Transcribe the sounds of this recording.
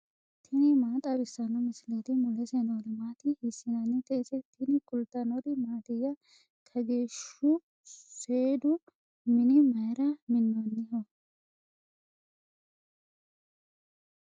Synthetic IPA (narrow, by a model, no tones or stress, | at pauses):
t̪ʰɪnɪmaːt̪ʼɐbɪsːɐnɔmɪsɪlɛt̪ɪmʊlɛsɛnɔd̪ɪmaːt̪ɪhɪsːɪnɐnːɪt̪ʼeːsɛt̪ʰɪnɪkʼʊlt̪ːɐnɔd̪ɪmaːt̪ɪjːɐ | kʰɐɡe̞ːʃʊ | seːd̪ʊ | mɪnɪmɐjɾɐmɪnːɔnːɪhɔ